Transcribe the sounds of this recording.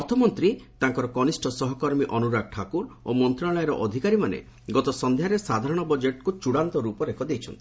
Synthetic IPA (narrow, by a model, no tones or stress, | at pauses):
ɔɾt̪ʰɔmɔnt̪ɾit̪ãŋkɔɾɔkɔnisʈʰɔsɔɦɔkɔɾmiʔɔnuɾaɡ̚ʈʰakuɾomɔnt̪ɾaɭɔjeɾɔʔɔd̪ʱikaɾimanḛ | ɡɔt̪ɔsɔnd̪ʱjaɾesad̪ʱaɾɔɽ̃ɔbɔd͡ʒeʈkut͡ʃuɽant̪ɔɾupɔɾekʰɔd̪ejt͡ʃʰɔnt̪i